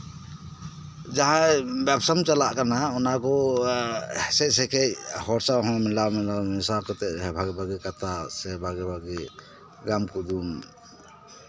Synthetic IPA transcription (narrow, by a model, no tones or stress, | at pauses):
d͡ʒaɦabɛpsɔmt͡ʃalaʔkanaɔnaɡɔ | sɛc̚sɛkʰɛc̚hɔɾsawɦɔ̃milawmilawnɛsakɔt̪ɛʔɛbʱaɡɛbʱaɡɛkat̪ʰasɛbʱaɡɛbʱaɡɛ | ɡamkud̪un